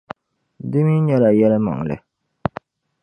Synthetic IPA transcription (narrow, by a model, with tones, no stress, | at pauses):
dɨ˦mi˦ɲɛ˦la˨jɛ˦lɨ˦ma̰˨ŋ˨lɨ̰˨